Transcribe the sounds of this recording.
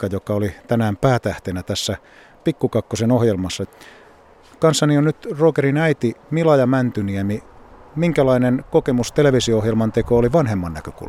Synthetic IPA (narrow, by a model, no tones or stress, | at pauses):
kɑjokɑolit̪ænæːmpæːt̪æht̪enæt̪æsːæ | pikːukɑkːosenohjelmɑsːɑ | kɑnsːɑnionnyt̪roːkerinæit̪imilɑjɑmænt̪yniæmimiŋkælɑinenkokemust̪eleʋisioohjelmɑnt̪ekooliʋɑnhemːɑnːækøkṵl